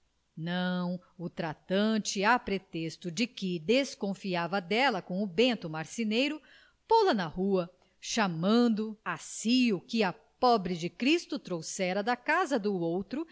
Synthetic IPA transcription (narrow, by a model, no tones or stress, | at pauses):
nɐ̃w̃ | ʊt̪ɾat̪ɐ̃t͡ʃɪapɾet̪est̪ʊd͡ʒɪkɪd̪eskõfiavɐd̪ɛlɐkõw̃ʊbẽnt̪ʊmaɾsinejɾʊ | polɐnɐhuɐ | ʃamɐ̃nd̪ʊasiʊkɪɐ | pɔbɾɪd͡ʒɪkɾist̪ʊt̪ɾowsɛɾɐd̪ɐkazɐd̪ʊowt̪ɾʊ